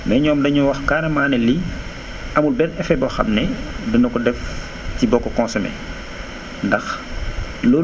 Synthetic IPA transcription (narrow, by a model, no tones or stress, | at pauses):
mɛɲɔːmdɐɲuwɐxkaɾɐmaːnɛli | ʔɐmulbɛnɛfɛbɔxɐ̰mnɛdunɐkɔdɛf | tibɔkːɔkɔ̃nsɔmɛ̰ | ndɐx | lɔ